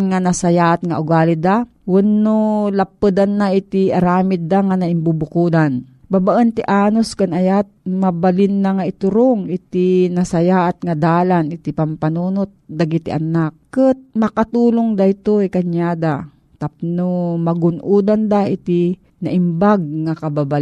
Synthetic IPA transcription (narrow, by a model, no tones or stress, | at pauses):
ŋanasajaʔat̪̚ŋa̰ʔʊɡaːlid̪a | wʊnːolapːɨd̪anːaɪt̪iaɾaːmɪt̪̚ːaŋanaɪmbubʊkud̪an | babaʔənt̪iʔaːnoskanajat̪̚mabalɪnːaŋaɪt̪ʊɾoŋɪt̪inasajaʔat̪̚ŋad̪aːlanɪt̪ipampanunot̪̚d̪aɡit̪ḭʔa̰nakːɨt̪̚mɐkat̪uːloŋd̪ajt̪oikaɲjaːd̪a | t̪ap̚nomaɡʊnʔuːd̪and̪aʔit̪i | naʔɪmbaɡ̚ŋakababal